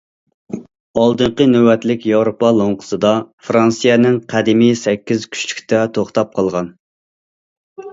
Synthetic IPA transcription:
ɑlˠd̪ɨɴqənøwɛt̪lɪkʲjɑwɾopɑlˠoŋqʰə̥sɨd̪ɑfɾɑnsijɛnɪŋqʰæd̪ɪmisɛkʲːizkʲʰy̥ʃt͡ʃʰy̥kʲt̪ɛt̪ʰoχt̪ɑp̚qʰɑlˠʁɑn

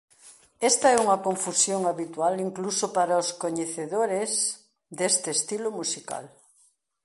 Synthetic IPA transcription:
ɛst̪aɛuŋɐkoɱfusjoŋaβit̪waliŋklusopaɾaoskoɲeθeðoɾez | d̪est̪eːst̪ilomusika̰l

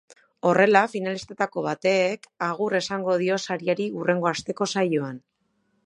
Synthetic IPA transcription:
o̞re̞lafinalist̪et̪ako̞βat̪e̞ːkaɣ̞ure̞saŋɡo̞ð̞io̞saɾiaɾiure̞ŋɡo̞ast̪e̞ko̞sajoan

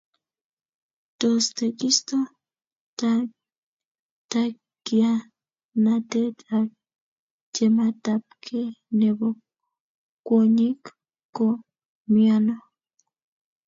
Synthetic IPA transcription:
t̪ost̪ekist̪o | ta | ta | kia | natet̪a | d͡ʒemat̪ap̚kʰenebo | kːwoɲik | kːo | miano

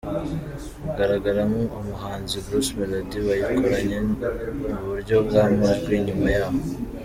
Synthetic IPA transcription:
ɡaɾaɡaɾamuomuɦaːnziɡusmeɾadiβajikʰoɾaɲe | uβuɾɟo̞bɡaːmaʒɡwiːɲimajaːβo

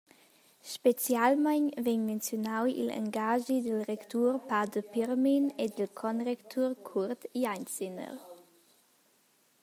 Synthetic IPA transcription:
ʃpet͡sjalmanveɲment͡sjonawḭla̰ŋɡaʒidəlʁɛktʰuːʁpadəpiʁminedəlkʰɔnʁɛktʰuʁkʰuʁtiant͡sinə̰ʁ

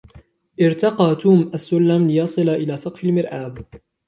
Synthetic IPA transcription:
ʔɪɾt̪ɑqɑːt̪uːmʔasːʊlːamlɪjɑsˤɨlaʔɪlaːsɑqfalmɪɾʔaːb

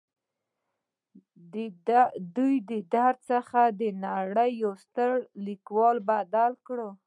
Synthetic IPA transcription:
d̪ujd̪əd̪aɾd̪̚səxad̪ənaɽəjːawst̪əɽlikwɑlbad̪alkɽə

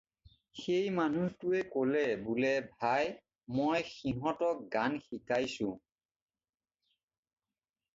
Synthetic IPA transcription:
xejmanutuɛkolɛbulɛbʱaj | mojxiɦɔtɔk̚ɡanxikajsʊ̃

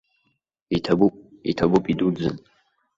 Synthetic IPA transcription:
itʰabupʼḭtʰabupʼidud͡zɨ̰n

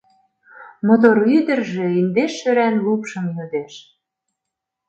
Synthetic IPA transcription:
mot̪̬oɾyd̪ə̆rʒĕind̪eʃːøɾænlupʃɤ̆mjød̪eʃ

